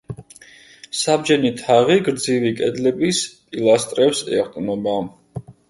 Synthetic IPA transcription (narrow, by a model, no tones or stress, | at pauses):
sabd͡ʒɛnit̪ʰaʁiɡɾd̪zivikʼɛd̪lɛbispʼilˠast̪ʼɾɛpsɛ̰χt̪ʼnɔba